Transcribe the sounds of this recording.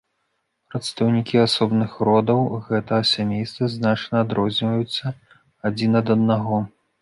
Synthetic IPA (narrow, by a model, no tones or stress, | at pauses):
pɾɐt̪st̪ɐwnʲikʲiasɔbnɨxɾɔd̪ɐwɣɛt̪ɐɐsʲamʲejst̪vɐznat͡ʂnɐːd̪ɾɔzʲnʲvɐjut̪sːɐ | ad͡zʲinɐd̪ɐd̪̚naɣɔ